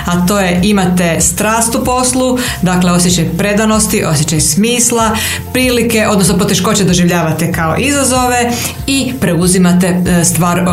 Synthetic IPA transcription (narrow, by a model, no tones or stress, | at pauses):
at̪o̞ːjeʔimat̪est̪ɾaːst̪upo̞slˠu | d̪akle̞o̞sjet͡ɕajpɾe̞d̪ano̞st̪iʔo̞sjet͡ɕajsmiːslˠa | pɾiːlike̞ʔo̞d̪nosnopo̞t̪e̞ʃko̞t͡ɕed̪o̞ʒiʋʎaːʋat̪ekao̞̰ʔizazo̞ʋe̞ | ipɾe̞uzimat̪est̪ʋaːɾ